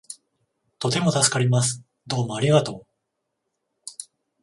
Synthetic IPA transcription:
t̪o̞t̪e̞mo̞t̪asɨ̥kaɾʲimas̬ɨ̥ | d̪o̞ːmo̞aɾʲiɣat̪o̞ː

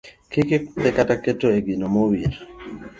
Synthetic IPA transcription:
keketɛkataketoeɡinomowiɾ

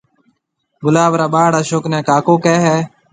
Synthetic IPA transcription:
ɡʊlaːʋɾaːɓaːɽaːʃoːknɛ̃ːkaːkoːkɛːɦɛː

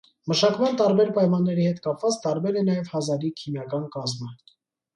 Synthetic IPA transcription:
məʃɑkmɑnt̪ɑɾbɛɾpɑjmɑnːɛɾihɛt̪kɑpvɑt͡st̪ɑɾbɛɾɛnɑjɛvhɑzɑɾikʰimjɑkɑnkɑzmə

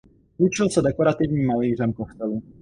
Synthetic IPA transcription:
ut͡ʃilsad̪ɛkɔɾat̪ivɲiːmaliːʒɛmkɔst̪ɛlu

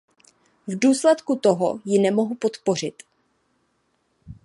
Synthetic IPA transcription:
vduːslɛt̪kut̪o̞ɦo̰jɪnɛmo̞ɦupo̞t̪po̞r̝ɪt̪

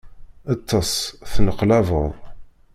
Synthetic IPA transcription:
ət̪ʰːɑsθnəqlævəðˤ

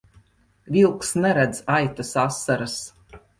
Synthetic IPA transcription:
vilˠksnɛɾɛd̪zajt̪asasːaɾas

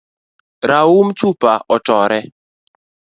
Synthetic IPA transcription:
ɾaumt͡ʃupaɔtɔɾɛ

